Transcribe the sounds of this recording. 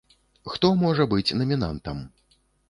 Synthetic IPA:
xt̪ɔmɔʐɐbɨt͡sʲnɐmʲina̰nt̪ɐm

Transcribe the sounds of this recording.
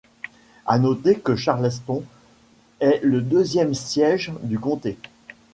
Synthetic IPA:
a̰nɔt̪ekəʃaʁlɛs̬pɔ̃ | ɛləd̪øzjɛmsjɛʒd̪ykɔ̃t̪e

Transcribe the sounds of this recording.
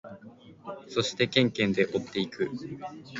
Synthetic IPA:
so̞ɕi̥t̪e̞kẽ̞ŋkẽ̞nd̪e̞ʔo̞t̪ːe̞ikɯ̟

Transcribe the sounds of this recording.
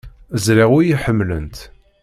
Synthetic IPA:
zɾiʁwujiħəmːlə̰nt̪

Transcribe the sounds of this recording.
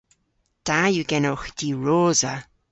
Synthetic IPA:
d̥ajuɡɛnoxd̥iːɹoːzə

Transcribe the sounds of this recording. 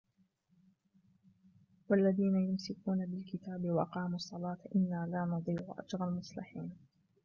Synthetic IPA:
walːaðiːnajʊmsɪkuːnabɪlkɪt̪aːbɪwɑʔɑqɑːmuɑsˤːɑlɑːt̪ʔɪnːaːlaːnɑd̪ˤiːʕʊʔa̰d͡ʒɾɑlmʊsˤlɪħiːn

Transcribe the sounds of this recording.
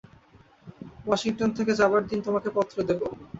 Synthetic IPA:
wɔʃiŋʈont̪ʰeked͡ʑabaɾd̪int̪omakepɔt̪ːɾod̪ebo

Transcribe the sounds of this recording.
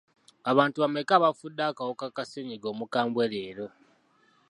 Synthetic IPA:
aβaːntuβame̞kaːβafudːaːkawokakaseɲiɡo̞ːmukaːmbweleːɾo̞

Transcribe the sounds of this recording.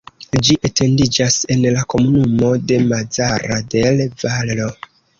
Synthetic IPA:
d͡ʒiʔete̞ndid͡ʒase̞nlako̞munumo̞de̞mad͡zaɾade̞lvallo̞

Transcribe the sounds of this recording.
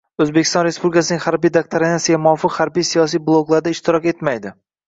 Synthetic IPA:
ɵzbekʲɪ̥st̪ɒnɾe̞spublʲɪkasɪnɪŋʲhaɾbijd̪ak̚t̪ʰaɾinasɪɡʲamʊɒfɪqhaɾbijsijɒs̬ijblˠoɡlˠaɾd̪aɪʃt̪ʰɪɾɒkʲe̞t̪majd̪ɪ

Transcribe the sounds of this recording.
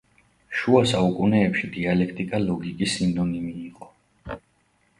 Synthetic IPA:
ʃuasaukʼunɛːpʃid̪ialɛkʰt̪ʼikʼalɔɡikʼisind̪ɔnimiːqʼɔ

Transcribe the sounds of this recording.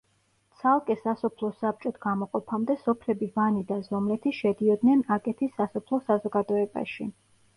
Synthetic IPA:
t̪sʰalˠkʼɛsasɔpʰlˠɔsap̚t͡ʃʼɔt̪ʰɡ̥amɔqʼɔpʰamd̪ɛsɔpʰlɛbivanid̪azɔmlɛt̪ʰiʃɛd̪iɔd̪nɛnakʼɛt̪ʰisːasɔpʰlˠɔsazɔɡad̪ɔɛba̰ʃi

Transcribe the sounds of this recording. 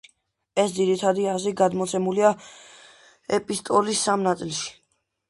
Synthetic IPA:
ɛsd̪ziɾit̪ʰad̪iaziɡad̪mɔt̪sʰɛmulia | ɛpʼist̪ʼɔlisːamnat̪sʼilˠʃi̥

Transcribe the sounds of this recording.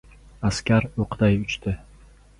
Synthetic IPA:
askʲaɾoqd̪ajʊt͡ʃt̪ʰɪ

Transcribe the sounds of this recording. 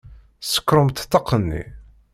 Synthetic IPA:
sə̥kːɾəmt̪t̪ːɑqːənːḭ

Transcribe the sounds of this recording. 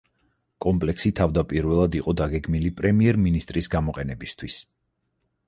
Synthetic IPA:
kʼɔmpʼlɛksit̪ʰavd̪apʼiɾvɛlˠad̪iqʼɔd̪aɡɛɡmilipʼɾɛmiɛɾminist̪ʼɾisɡamɔqʼɛnɛbist̪ʰwis

